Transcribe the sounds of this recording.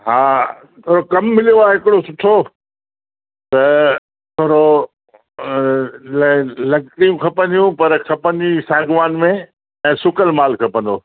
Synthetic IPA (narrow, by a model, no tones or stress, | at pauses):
ɦãː | t̪ʰoːɾokɐmːɪlijoaːɦɪkɪɽosʊʈʰo | t̪ɐ | t̪ʰoːɾo | llɐɡʈijũkʰɐpə̃nd̪ijũpɐɾkʰɐpə̃nd̪isaːɡʋaːnmẽ | ɛ̃ːsʊkəlmaːlkʰɐpə̃nd̪oː